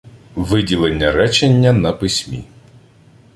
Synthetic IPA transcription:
ʋɪdʲilˠenʲːɐɾɛt͡ʃenʲːɐnɐpɪsʲmʲḭ

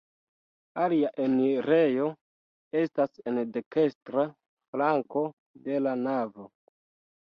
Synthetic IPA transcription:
aliaʔe̞niɾe̞jo̞ | e̞stasendeke̞stɾa | flaŋko̞ | de̞lanavo̞

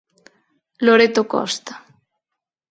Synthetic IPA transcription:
loɾet̪okɔ̰st̪ḁ

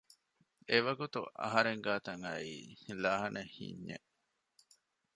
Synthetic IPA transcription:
eʋɐɡut̪uʔɐ̰ɦɐɾeŋɡaːt̪ɐŋɐiːlaːɦɐnehḭɲːḛ

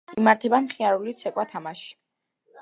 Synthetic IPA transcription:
imaɾt̪ʰɛbamχiaɾulit̪sʰɛkʼwat̪ʰamaʃi̥

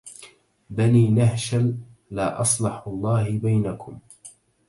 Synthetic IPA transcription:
baniːnaɦʃalːaːʔɑsˤlɑħɑlˤːɑːhɪbajnakʊm

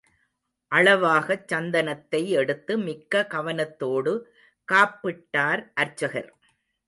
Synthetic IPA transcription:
ʔɐɭɐʋaːɣɐt͡ʃːɐnd̪ɐnɐt̪ːɐɪɛɽɯt̪ːɯmɪkːɐkɐʋɐnɐt̪ːoːɽɯ | kaːpːɪʈːaːɾʔɐɾt͡ʃːɐɣɐ̰ɾ

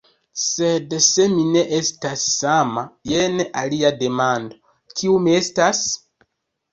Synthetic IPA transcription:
sedse̞mine̞ʔestasːamajeneʔaliade̞mando̞ | kʰiumiestas

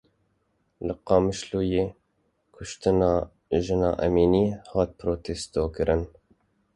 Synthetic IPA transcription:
lɨqɑːmɨʃluːjeː | kʰʊʃt̪ɨnɑː | ʒɨnɑ̰ːʔɛmiːniːhɑːt̪̚pɾoːt̪ʰest̪oːkɨɾʔɨn

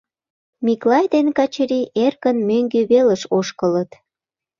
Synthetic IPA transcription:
miklɑjd̪enkɑt͡ɕəɾiʔerkənmøŋɡyβelə̆ʃoʃkələt̪

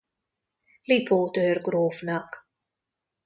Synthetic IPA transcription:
lipʰoːtøːrɡɾoːfnak

